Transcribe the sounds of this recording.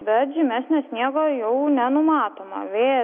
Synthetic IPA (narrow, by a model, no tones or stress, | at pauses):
bʲɛt̪ʒʲɪmʲæsʲnʲɛsʲnʲiɛɡoːjɛʊnʲɛnʊmɑːt̪oːmɐ̰ʋʲeː